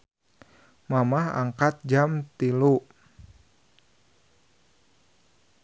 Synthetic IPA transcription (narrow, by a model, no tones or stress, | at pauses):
mamaɦa̰ŋkat̪̚d͡ʒamt̪ilu